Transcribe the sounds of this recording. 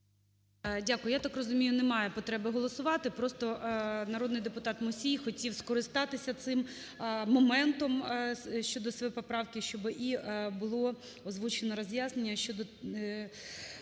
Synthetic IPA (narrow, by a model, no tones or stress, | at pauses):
dʲakʊjʊjat̪akrɔzʊmʲijʊnemɑjɛpɔt̪ɾɛbɪɦɔlˠɔsʊʋɑt̪ɪpɾɔst̪ɔnɐɾod̪nɪjd̪epʊt̪ɑt̪mʊsʲijxɔtʲiwskɔɾɪst̪ɑt̪ɪsʲɐt̪sɪm | mɔmɛnt̪ɔmʃt͡ʃɔd̪ɔspɔpɾɑwkʲɪʃt͡ʃɔbɪʔibʊlˠɔ | ɔzʋut͡ʃenɔɾɔzʲjaznenʲːɐʃt͡ʃɔd̪ɔ